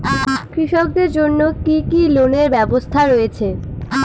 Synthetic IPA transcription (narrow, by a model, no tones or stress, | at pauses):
kɾiʃok̚d̪eɾd͡ʑonːokikiloneɾbɛbost̪ʰaɾoet͡ɕʰe